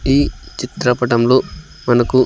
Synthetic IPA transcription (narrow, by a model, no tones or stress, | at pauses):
iːt͡ʃit̪ɾɐpɐʈɐmloː | mɐnɐku